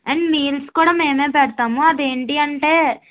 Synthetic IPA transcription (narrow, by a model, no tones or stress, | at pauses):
ɐɳmiːlskuːɽaːmeːmeːpɛɽt̪aːmuɐd̪eːɳʈiɐɳʈe̞ː